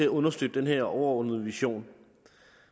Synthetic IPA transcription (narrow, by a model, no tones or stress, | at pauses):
e̝æɔ̽nɐsd̥ød̥d̥enɦe̝ɐ̰ɒʊɐɒnəð̞̩ˠʋiɕo̝̰ːn